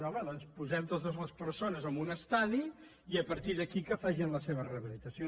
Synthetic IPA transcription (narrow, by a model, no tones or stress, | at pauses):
ɔməðɔnspuzɛmt̪ot̪əzləspəɾsonəzəmbunəst̪aði | iəpəɾt̪iðəkikəfaʒinləseβərəβilit̪əso